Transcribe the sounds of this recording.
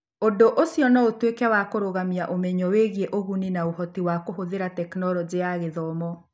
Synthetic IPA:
ondoʔosiɔnɔotwekɛwakoɾoɣamiaʔomɛɲɔweɣieʔoɣuninaoɦɔtiwakoɦoðeɾatɛknɔɾɔd͡ʑeaɣeðɔmɔ

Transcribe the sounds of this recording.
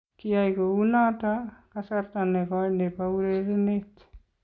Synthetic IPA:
kiajkounatakasartanɛkɔjnepauɾeɾinet

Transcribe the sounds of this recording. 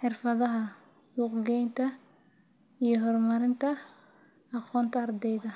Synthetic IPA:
ħɪrfɐðɐɦɐ | suːqɡɛjnt̪ʰɐ | ijɞɦɔrmɐɾɪnt̪ʰɐ | ɑqɔːnt̪ʰɐːrd̪ɛjðɐ

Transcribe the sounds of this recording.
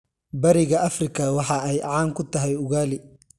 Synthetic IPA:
bɐɾɪɣɐɐfrɪkʰɐwɑħɑɛjʕɑːŋkʰʊt̪ʰɐɦɛjʊɣaːlɪ

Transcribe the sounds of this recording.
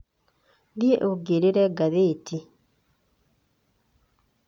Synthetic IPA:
ɡjeʔoɡeɾeɾɛɡaðeti

